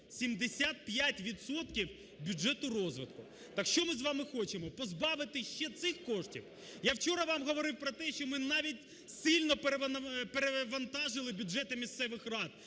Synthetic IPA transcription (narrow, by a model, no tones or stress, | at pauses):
sʲimd̪esʲat̪̚pʲjatʲʋʲid̪sɔt̪kʲiw | bʲuʒɛt̪ʊɾɔzʋɪt̪kʊ | t̪akʃt͡ʃɔmɪzʋɑmɪxɔt͡ʃemɔpɔzbɑʋɪt̪ɪʃt͡ʃɛt̪sɪxkɔʂtʲḭw | jawt͡ʃɔɾɐʋɑmɦɔʋɔɾɪwpɾɔt̪ɛʃt͡ʃɔmɪnɑʋʲitʲ | sɪlʲnɔpeɾeʋɐpeɾeʋɐnt̪ɑʒɪlˠɪbʲuʒɛt̪ɪmʲist̪sɛʋɪxrɑd̪̚